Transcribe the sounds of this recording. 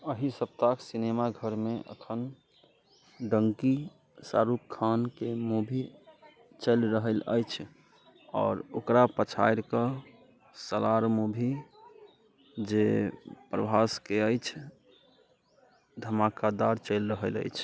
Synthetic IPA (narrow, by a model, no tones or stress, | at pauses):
əɦisəb̚t̪aksinemaɡʱəɾmeʔə̰kʰən | ɖəŋki | sa̰ɾup̚kʰankemobʱi | t͡ʃəlɾəɦələ̰jt͡ʃʰ | ɔːɾo̰kɾapət͡ʃʰajɾkə | səlaɾmobʱi | d͡ʒepɾəbʱaskeəjt͡ʃʰ | d̪ʱəmakad̪aɾt͡ʃəlɾəɦələ̰jt͡ʃʰ